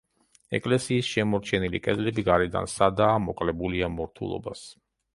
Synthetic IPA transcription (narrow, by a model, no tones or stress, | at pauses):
ɛ̰kʼlɛsiːsʃɛmɔɾt͡ʃʰɛnilikʼɛd̪lɛbiɡaɾɛd̪a̰nsad̪aːmɔkʼlɛbuliamɔɾt̪ʰṵlˠɔ̰ba̰s